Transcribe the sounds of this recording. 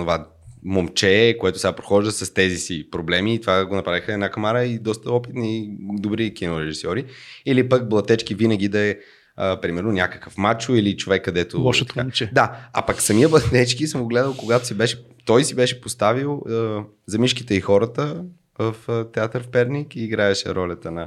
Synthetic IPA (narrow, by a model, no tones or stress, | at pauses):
nova | momt͡ʃɛkoɛt̪ʊsɡapɾo̥xɔʒd̪əsɐst̪ɛzisipɾoblɛmiːt̪ovaɡonɐpɾavixəɛːd̪nakɐmaɾəid̪ɔst̪əɔpit̪niid̪obɾik̟inoɾɛʒisɔɾiilipək̚blˠɐt̪ɛt͡ʃkivinəɡ̟id̪ɐɛ | əpɾimɛɾnonʲakə̥kəfmat͡ʃʊilit͡ʃovɛkːɐd̪ɛt̪oɔʃt̪kat͡ʃɛd̪aɐ̰pəksɐmijəblˠɐt̪ɛt͡ʃkisəmɡoɡlɛd̪əlˠkoɡat̪o̥sibɛʃɛ | t̪ɔjsibɛʃɛpost̪avilˠə | zɐmiʃkit̪əixɔɾət̪ə | vəft̪ɛat̪əɾfpɛɾnikiːɡɾaɛʃɛ̰ɾɔlʲət̪ənɐ